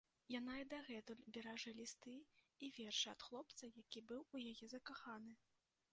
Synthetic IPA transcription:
jan̪aid̪aɣɛt̪ulʲbʲɛɾaʐɨlʲist̪ɨ | ivʲɛrʂɨɐ̰t̪xlˠɔp̚t̪sɐjakʲibɨwujajɛzɐkaxanɨ

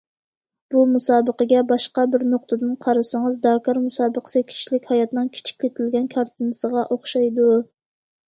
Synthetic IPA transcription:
b̥umusɑːbəqəɡʲɛbɑʃqɑbɪɾnoq̚t̪ʰɨd̪ɨnqʰɑɾɨsɨŋɨzd̪ɑkʰɑɾmusɑːbəqʰə̥sɨkʲʰi̥ʃlɪkʲhɑjɑt̪nɨŋkʲʰe̥t͡ʃʰi̥kʲlɪt̪ʰɪlɡʲɛnkʰɑɾt̪ʰɨnɨsəʁɑʔoχʃɑjd̪u

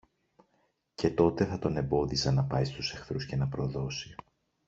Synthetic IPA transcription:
ce̞t̪o̞t̪e̞θɐt̪o̞ne̞mbo̞ðisɐnɐpɐjst̪use̞xθɾusce̞nɐpɾo̞ðo̞si

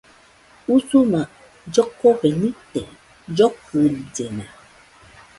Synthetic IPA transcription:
usuma | d͡ʒɔkːɔɣɛnitɛ | d͡ʒɔkəld͡ʒɛna

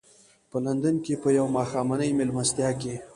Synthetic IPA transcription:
pəland̪ankepəjawmɑːxɑːmanəjmelmast̪jɑke

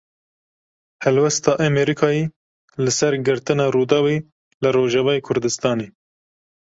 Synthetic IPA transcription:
hɛlwɛst̪ɑːʔɛmɛɾikʰɑːji | lɨsɛɾɡɨɾt̪ɨnɑːɾuːd̪ɑːwe | lɨɾoːʒɛvɑːjekʰʊɾd̪ɨst̪ɑːneː

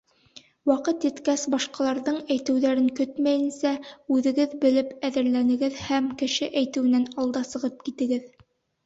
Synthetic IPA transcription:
wɑqɤt̪jɘ̆t̪kæsbɑʃqɑlˠɑɾðɤɴæjt̪ɘ̆wðæɾɘŋkɵt̪mæjɘ̆nsæʉðɘ̆ɡɘðbɘ̆lɘpæðɘ̆ɾlænɘ̆ɡɘðhæmkɘ̆ʃɘʔæjt̪ɘ̆wɘ̆nænɑlˠd̪ɑsɤ̆ʁɤp̚kit̪ɘ̆ɡɘð

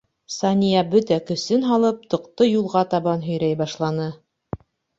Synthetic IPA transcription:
sɑnʲijɑbɵt̪ækɵ̆sɘnɦɑlˠɤp̚t̪ɤ̆qt̪ɤjulˠʁɑt̪ɑβɑnɦɵ̆jɾæjbɑʃlˠɑnɤ

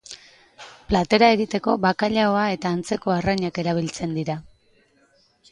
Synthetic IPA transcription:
plat̪e̞ɾae̞ɣit̪e̞ko̞βakaʎaoae̞t̪aːnt͡se̞ko̞araɲake̞ɾaβ̞ilt͡se̞nd̪iɾa

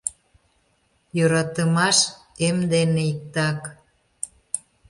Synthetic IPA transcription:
jøɾɑt̪əmɑʃ | emd̪eneik̚t̪ɑk

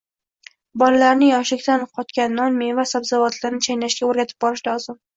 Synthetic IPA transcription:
bɒlalaɾnɪjɒʃɪkʲt̪anqʰɒt̪kʲanːɒnmevasabzavɒt̪ʰlaɾnɪt͡ʃʰajnaʃkʲaoɾɡʲat̪ʰɪ̥p̚bɒɾɪʃd̪ɒzɪm

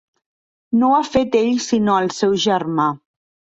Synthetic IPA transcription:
noafet̪eʎsinoəlˠsɛwʒərma

